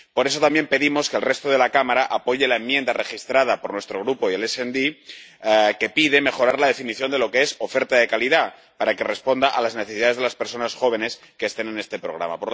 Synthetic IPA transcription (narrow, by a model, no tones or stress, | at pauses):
po̞ɾe̞s̬o̞t̪ambje̞mpe̞ðimo̞ske̞lre̞st̪oð̞e̞lakamaɾaʔapo̞ʝe̞laemːjẽnd̪are̞xist̪ɾað̞apo̞ɾnwe̞st̪ɾoɣ̞ɾupoie̞lesend̪i | ke̞piðeme̞xo̞ɾaɾlað̞e̞finiθjo̞nd̪e̞lo̞keeso̞fe̞ɾt̪aðe̞kaliða | paɾake̞re̞spo̞nd̪aʔalazneθesiðaðe̞zðelaspe̞ɾso̞nasxo̞β̞e̞ne̞s | keːst̪e̞nene̞st̪e̞pɾo̞̰ɣɾa̰ma̰po